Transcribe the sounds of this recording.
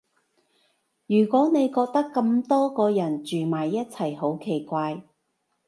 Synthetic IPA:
jyː˨˩kʷɔː˨˥ne˨˧jkɔː˧k̚t̪ɐ˥kːɐ˧mt̪ɔː˥kɔː˧jɐ˨˩nt͡ʃyː˨maː˨˩jːɐ˥t̚t͡sʰɐ˨˩jho˨˥wkʰe˨˩jkʷaː˧j

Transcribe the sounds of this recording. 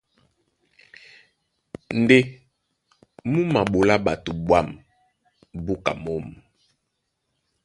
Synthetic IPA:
n˨de˦ | mu˦ma˨ɓo˨la˦ɓa˨tu˨bwa˦˨m | bo˦ka̰˨mɔ˦m˨

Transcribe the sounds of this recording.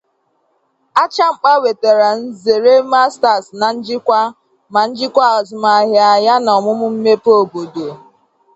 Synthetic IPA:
a˦t͡ʃa˦ŋ͡m̩˦k͡pa˦we˨te˨ɾa˨n̩˦ze˨ɾe˦ma˦sta˨sna˨n̩˦d͡ʒɪ˦kʷa˦ | ma˨n̩˦d͡ʒɪ˦kʷa˦ɔ˨zɪ˨ma˨ɦɪ˨a˨ja˦nɔ˨mʊ˦mʊ˦m̩˦me˦po˦˨bo˨do˨

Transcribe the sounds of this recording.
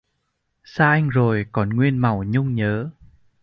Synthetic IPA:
saː˧ʔa˧jŋ̟zo˨˩jkɔ˨˩nŋwi˧ənma˨˩wɲʊ˧ŋ͡mɲəː˨˦

